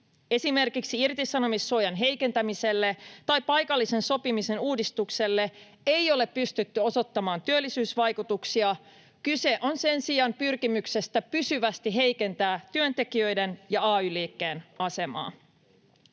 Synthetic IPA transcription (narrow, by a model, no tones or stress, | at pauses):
e̞sime̞rkiksiirt̪isɑno̞misːojɑnɦe̞jke̞nt̪æmise̞lːe̞t̪ɑjpɑjkɑlːise̞nso̞pimise̞nuːdist̪ukse̞lːe̞ | ejo̞le̞pːyst̪yt̪ːyo̞so̞t̪ːɑmɑːnt̪yølːisyːsʋɑjkut̪uksiɑ | kyse̞ʔo̞nse̞nsiɑmpyrkimykse̞st̪æpysyʋæst̪iɦe̞jke̞nt̪æːt̪yønt̪e̞k̟iø̞jde̞njɑɑːyːliːkːe̞ːnɑse̞mɑ̰ː